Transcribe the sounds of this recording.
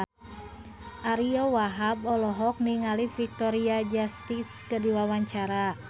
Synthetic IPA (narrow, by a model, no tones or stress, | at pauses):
ʔaɾiɔwaɦabɔlɔɦɔk̚niŋalifik̚t̪ɔɾiad͡ʒast̪iskədiwawaɲt͡ʃaɾa